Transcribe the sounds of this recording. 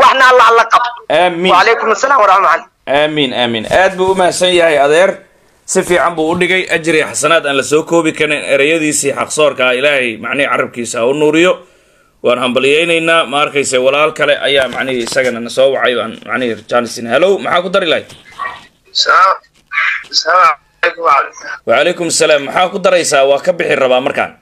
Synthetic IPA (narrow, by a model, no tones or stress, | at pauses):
wɑħnɐlɐlɐqɑbʔaːmiːwʕɑleːkʊmɐsɐlaːmwɐɾamaʕal | ʔaːmiːnaːmiːnʔaːd̪̚buːʊmaːsɐnjɐhɛjɐðɛːr | sɪfiːʕɑmbuːʊɖɪɣɛjʔɐt͡ʃɪɾɪɐħɑsɐnaːd̪aːnlɐsɔːkʰɔːβɪkʰɐnɛnɛɾɛjɐðiːsiːħɑqsɔːrkʰɐɪlaːhɛjmɑʕnɪhiʕɑrɐb̚kʰiːsɐʊnuːɾɪjɔ | wɑːnhɐmbɐlɪjɛjnɛjnaːmɐɐrkʰɛjsɛːwɑlaːlkʰɐlɛʔɐ̰jaːmɑʕnɪhiɪsɐɣɐnɐnɐsɔːwɑʕɑjba̰ːnmɑ̰ʕnɪɪrt͡ʃaːnɪsɪnhɐlɔwmɐħaːkʊd̪ɐɾɪlɐj | s | sɐla | ɛjkʊmaʕlɛsawɑʕɑlɛjkʊmsɐlaːmːɐħaːkʰʊd̪ɐɾɛjsaːwɑːkʰɐbɪħɪrɐβaːmɐrkʰa̰ːn